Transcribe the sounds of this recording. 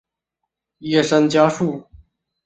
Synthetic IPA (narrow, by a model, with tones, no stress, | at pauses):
ji˥˩ʂə˥nt͡ɕja˥ʂu˥˩